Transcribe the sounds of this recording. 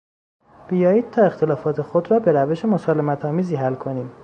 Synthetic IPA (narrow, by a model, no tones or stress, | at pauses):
b̥ijɒːjiːd̪̥̚t̪ʰɒːe̞xt̪ʰe̞lɒːfɒːt̪ʰe̞xo̞d̪ɾɒːbe̞ɾæve̞ʃe̞mosɒːle̞mæt̪ʰɒːmiːziːɦælkʰo̞niːm